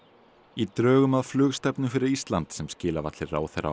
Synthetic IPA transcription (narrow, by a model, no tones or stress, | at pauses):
it̪ɾœːɣʏmaðflʏːɣst̪ɛpnʏfɪɾɪɾist̪lant̪sɛmscɪːlavat̪lɪɾra̰ːwθɛ̰ɾa̰